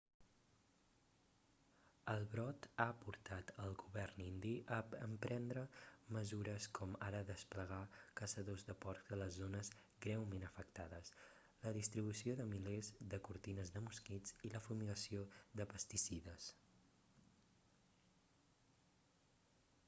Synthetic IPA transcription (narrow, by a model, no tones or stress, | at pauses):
əlˠβɾɔt̪aəpuɾt̪at̪əlˠɣuβɛrnind̪iʔəːmpɾɛnd̪ɾəməzuɾəskʰɔmaɾəðəspləɣ̞akəsəðozðəpɔɾkd̪ələzːonəz | ɡɾɛwmenəfək̚t̪aðəs | ləðist̪ɾiβusioðəmilezðəkuɾt̪inəzðəmuskid͡ziləfumiɣəsioðəpəst̪isiðəs